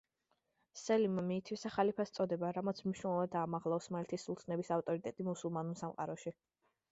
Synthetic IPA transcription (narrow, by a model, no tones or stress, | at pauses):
sɛlimamiːt̪ʰwisaχalipʰast̪sʼɔd̪ɛbaɾamɔt̪sʰmniʃnɛlˠɔvad̪aːmaʁlˠɔɔsmaɛlt̪ʰisulˠsʰnɛbisaft̪ʼɔɾit̪ʼɛt̪ʼimusulˠmanulˠsamqʼa̰ɾɔʃi